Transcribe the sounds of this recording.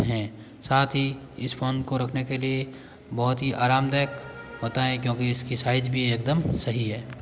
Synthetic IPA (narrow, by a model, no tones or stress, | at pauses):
ɦɛ̃ː | saːt̪ʰɦi | ɪspʰoːnkoɾɐkʰnekelie | bɐɦʊt̪ɦiʔaːɾaːmd̪aːəkɦoːt̪aɦɛ̃kjõːkiɪskisaːɪd͡ʒbʱieːk̚d̪əmsɐɦiɦɛː